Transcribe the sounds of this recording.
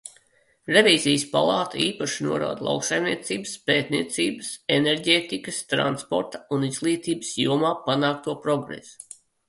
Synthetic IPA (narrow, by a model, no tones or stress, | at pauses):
ɾevʲiːzijəspa̰lˠɑːt̪aiːpaʃinuɔɾa̰ːd̪lˠa̰wksajmnʲiɛt̪siːbəspeːt̪nḭɛt̪siːbəseneɾɡʲeːt̪ikəst̪ɾa̰nspɔ̰ɾt̪ḁunizlˠiːt̪iːbəsjṵɔmaːpanaːk̚t̪uɔpɾɔɡɾḛsu̥